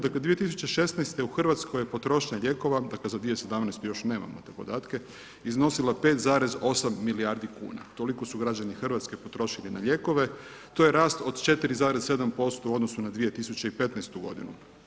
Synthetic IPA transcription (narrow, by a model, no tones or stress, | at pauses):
d̪akle̞d̪ʋiet̪isut͡ɕe̞ʃe̞snajst̪euxrʋat̪sko̞jepo̞t̪ɾo̞ʃɲaʎe̞ko̞ʋad̪aklezad̪ʋije̞se̞d̪amnaɛjst̪ujo̞ʃne̞ːma̰mot̪eːpo̞d̪aːt̪ke̞ | izno̞silape̞t̪zaːɾe̞zo̞samːiliaɾd̪ikṵːna̰t̪o̞liko̞suɡɾad͡ʑanixr̩ʋat̪ske̞po̞t̪ɾo̞ʃilina̰ʎe̞ko̞ʋe̞t̪o̞jeɾaːst̪o̞d̪t͡ʃe̞t̪iɾizaːɾez̥se̞d̪ampo̞st̪ouod̪nosunad̪ʋije̞t̪isut͡ɕeipe̞t̪nɛst̪uɡo̞̰d̪ḭnṵ